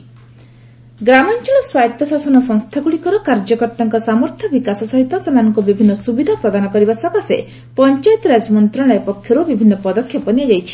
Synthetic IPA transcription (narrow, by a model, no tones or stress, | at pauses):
ɡɾamɔnt͡ʃɔɭɔswajt̪ɔsasɔnɔsɔŋst̪ʰaɡuɭikɔɾɔkaɾd͡ʒɔkɔɾt̪aŋkɔsamɔɾt̪ʰjɔbikasɔsɔɦit̪ɔsemanɔŋkubibʱinːɔsubid̪ʱapɾɔd̪anɔkɔɾibasɔkasḛ | pɔnt͡ʃajt̪ɔɾad͡ʒmɔnt̪ɾɔɭ̃ɔepɔkʰjɔɾubibʱinːɔpɔd̪ɔkʰːjɔpɔniad͡ʒajt͡ʃʰi̥